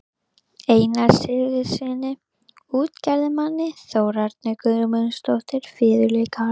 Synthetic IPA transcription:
eːjnaɾsɪɣðɪsɪnːɪ | uːt̪cɛɾðɪmanːɪθoːwɾaɾt̪̚nɛkʏmʏnst̪owht̪ɪɾ̥fɪːðʏleːka

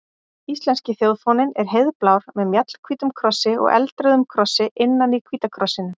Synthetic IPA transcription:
ist̪lɛnscɪθjowðfɔnɪnɛɾ̥ɦeðplaːwɾ̥mɛðmjat̪l̥kʰviːt̪ʏmkʰɾɔsːɪɔ̰ɣɛ̰lt̪ɾœðʏmkʰɾɔsːɪʔɪnːanikʰviːt̪akʰɾɔsːɪnʏ

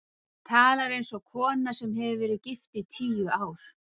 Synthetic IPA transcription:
t̪ʰaːlaɾejnsɔɣkʰɔːnasɛmɦɛvɪvɛːɾɪðcɪft̪ɪt̪ʰiːjʏaːwɾ̥

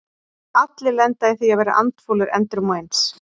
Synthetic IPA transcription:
at̪lɪlɛnt̪aɪθiavɛːɾa̰ʔa̰nt̪foːlɪɾɛ̰nt̪ɾʏmɔejns

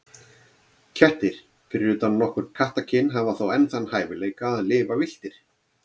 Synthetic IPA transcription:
cʰɛht̪ɪɾ̥ | fɪɾjʏt̪annɔhkʏɾ̥kʰaht̪acʰɪnːɦavaθawɛnsanːhaːjvɪleːjkaːðlɪːvavɪl̥t̪ɪɾ̥

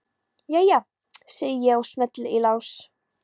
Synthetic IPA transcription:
jaja | sɛːjəjɛɣɔsmɛt̪lilaws

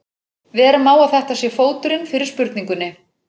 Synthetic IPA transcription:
vɪɛɾʏmːaːwaθɛht̪asjɛfoːwt̪ʏɾɪnfɪɾɪɾ̥spʏɾt̪niŋkʏnːɪ

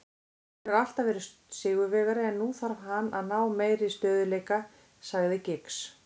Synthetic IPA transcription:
ɛɣal̥t̪avɛːɾɪs | sɪːɣʏvɛːɣaɾɪɛnːuθaɾvɦanːaðnaːwmeːjɾɪst̪œːðʏleːjka | saɣðɪcɪks

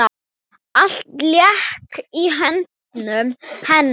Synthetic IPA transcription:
al̥t̪ljɛhkiɦɛnt̪nʏmhɛnː

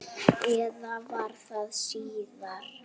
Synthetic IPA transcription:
ɛðavaɾ̥θaðsiːðaɾ

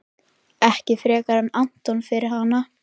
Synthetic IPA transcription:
ɛhcɪfɾɛːkaɾanːan̥t̪ɔnfɪɾɪɾ̥ɦanːa

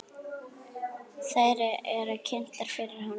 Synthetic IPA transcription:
saːjɾɪʔɛɾacʰɪn̥t̪laɾ̥fɪɾɪɾ̥hanː

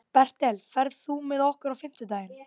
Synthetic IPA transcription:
pɛr̥t̪ɛlfɛɾð̥θumɛðɔhkʏɾawfɪm̥t̪ʏt̪aːjɪn

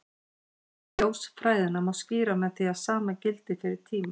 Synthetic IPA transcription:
joːwsfɾaːjðɪnamawsciːɾamɛðθiaðsaːmacɪlt̪ɪfɪɾɪɾ̥t̪ʰiːmɪ

